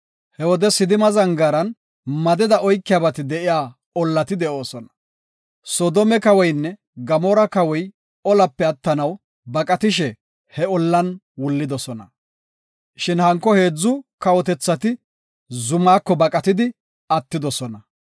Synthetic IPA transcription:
hɛwɔd̪ɛsɪd̪ɪmɐzɐŋɡɐɾɐn | mɐd̪ɛd̪ɐʔɔjkːɪjaːbɐt̪ɪd̪ɛʔɪjaː | ɔlːɐt̪ɪd̪ɛʔo̞ːsɔnɐ̥ | sɔd̪ɔmɛkɐwɔjnːɛ | ɡɐmɔːɾɐkɐwɔj | ɔlɐpːɛɐt̪ːɐnɐw | bɐkʼɐt̪ɪʃ̬ɛ | hɛɔlːɐn | wʊlːɪd̪ɔsɔnɐ̰ | ʃɪnhɐŋkːɔhe̞ːd͡zːʊkɐwɔt̪ɛt͡sːɐt̪ɪ | zʊmaːkːɔbɐkʼɐt̪ɪd̪ɪ | ɐt̪ːɪd̪ɔsɔnɐ

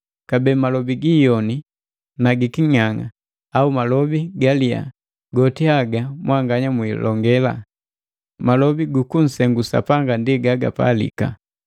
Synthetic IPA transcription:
kabɛmalɔbiɡiːjɔni | naɡikiɲaŋa̰ | aumalɔbiɡalia̰ | ɡɔtiaɡamwʔaŋɡaɲamwilɔŋɡɛla̰ | malɔbiɡukun̩sɛŋɡusa̰paŋɡandiɡaɡa̰pa̰lḭka̰

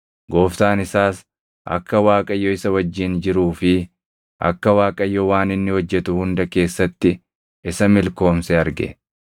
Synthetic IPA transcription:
ɡo̞ːft̪aːnɪsaːs | ʔɐ̰kːɐwaːkʼɐjːɔɪsɐwɐd͡ʒːɪnd͡ʒɪɾuːfɪ | ʔɐ̰kːɐwaːkʼɐjːɔwaːnɪnːɪhɔd͡ʒːɛt̪ʊhʊnd̪ɐke̞ːsːɐt̪ːɪ | ɪsɐmɪlko̞ːmsɛɐɾɡɛ̰

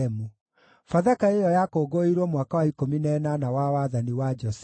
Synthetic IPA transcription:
ɛmu | faðakaejɔjakoɡoiɾwɔmwakawaikominɛnanawawaðaniwad͡ʒɔsɛ

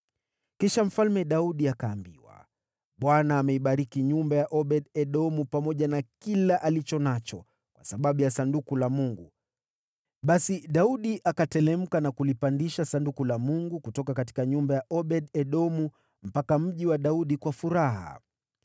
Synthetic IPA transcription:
kiʃam̩falmɛɗauɗiakaːmbiwa̰ | ɓwanaːmɛiɓaɾikiɲumbajaʔɔɓɛɗɛɗɔmupamɔʄanakilaʔalit͡ʃɔnat͡ʃɔ | kwasaɓaɓujasandukulamuŋɡu | ɓasiɗauɗiʔakatɛlɛm̩kanakulipandiʃasandukulamuŋɡukutɔkakati̥kaɲumbajaʔɔɓɛɗɛɗɔmu | m̩pakam̩ʄiwaɗauɗikwafuɾaɦa̰

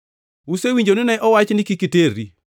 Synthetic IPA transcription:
usewiɲd͡ʒonɪnɛʔɔwat͡ʃnɪkikiteɾi

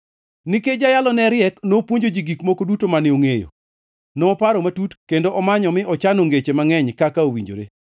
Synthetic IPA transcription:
niked͡ʒajalɔnɛɾɪɛknopwoɲd͡ʒod͡ʒiɡikmokodutomanɪoŋejo̰ | nɔːpaɾɔmatutkendoʔɔmaɲɔmɪʔɔt͡ʃanoŋɡet͡ʃemaŋɛɲkakaowḭɲd͡ʒo̰ɾḛ

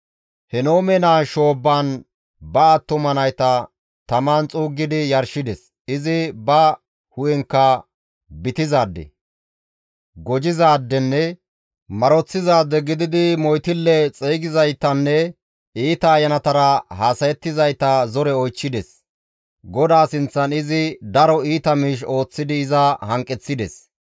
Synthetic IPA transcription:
hɛno̞ːmɛnaːʃo̞ːbːaːn | bɐːt̪ːʊmɐnɐjt̪ɐ | t̪ɐmaːnt͡sʼuːɡːɪd̪ɪjɐɾʃɪd̪ɛs | ɪzɪbɐ | hʊjɛŋkːɐ | bɪt̪ɪzaːd̪ːɛ̰ | ɡɔd͡ʒɪzaːd̪ːɛnːɛ | mɐɾɔt͡sːɪzaːd̪ːɛɡɪd̪ɪd̪ɪmɔjt̪ɪlːɛt͡sʼeːɡɪzɐjt̪ːɐnːɛ | iːt̪ɐːjɐnɐt̪ɐɾɐhaːsɐjɛt̪ːɪzɐjt̪ːɐzɔɾɛɔjt͡ʃːɪd̪ɛs | ɡɔd̪aːsɪnt͡sːɐnɪzɪd̪ɐɾɔiːt̪ɐmiːʃo̞ːt͡sːɪd̪ɪɪzɐhɐŋkʼːɛt͡sːɪd̪ɛs

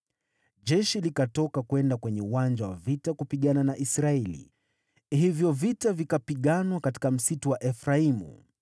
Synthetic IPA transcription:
ʄɛʃilikatɔkakwɛndakwɛɲɛuwand͡ʒawavitakupiɠananaʔisɾaɛlḭ | hivjɔvitavikapiɠanwakati̥kam̩situwaʔɛfɾaimṵ

